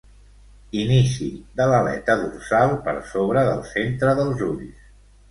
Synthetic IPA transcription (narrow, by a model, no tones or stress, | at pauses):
inisiðələlɛ̰t̪əðursalˠpə̰ɾsoβɾəðə̰lˠsent̪ɾəðəlˠzuʎs